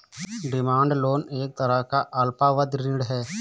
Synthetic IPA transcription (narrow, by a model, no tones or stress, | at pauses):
ɖɪmãːɳɖloːneːk̚t̪əɾəɦkaʔɐlpaʋəd̪ɾɪ̃ɳɖɦɛː